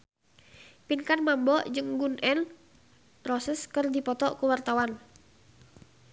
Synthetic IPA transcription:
pinkanmambɔd͡ʒɨŋɡunʔɛn | rɔsəskərdipɔt̪ɔʔkuwart̪awan

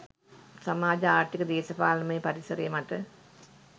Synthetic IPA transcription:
samaːd͡ʒəaːʈikəd̪eːsɐpaːlɐməjəpaɾisɐɾejəmaʈə

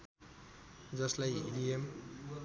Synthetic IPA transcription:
d͡zʌslajḭliem

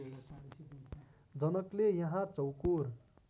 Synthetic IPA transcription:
d͡zʌnʌklejʌɦãt͡sʌwkuɾ

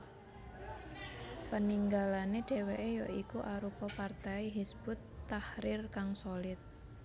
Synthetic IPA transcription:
pəniŋɡalaneɖ̥eweʔejɔʔikuʔaɾupɔpart̪aiɦisb̥ʊt̪ːahɾɪrkaŋsolɪt̪̚

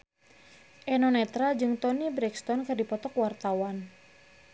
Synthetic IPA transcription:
ʔɛnɔnɛt̪ɾad͡ʒɨŋt̪ɔnibɾɛkst̪ɔnkɨrdipɔt̪ɔkwart̪awan

